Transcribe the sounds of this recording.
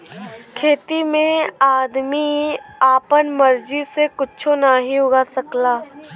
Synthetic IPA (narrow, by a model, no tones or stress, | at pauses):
kʰeːt̪imẽaːd̪miaːpənmɐɾd͡ʒisekʊt͡ʃʰonaːɦiʊɡasɐklaː